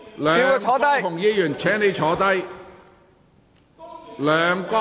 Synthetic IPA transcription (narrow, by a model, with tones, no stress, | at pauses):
lœː˨˧˨t͡ʃʰɔː˨˥kɐ˥j̪ʰʊ˨˩ŋjiː˧jyː˨˩nt͡ʃʰɛː˨˥ŋne˨˧jt͡ʃʰɔː˨˥t̪ɐ˥j | lœː˨˧ŋkɔ˥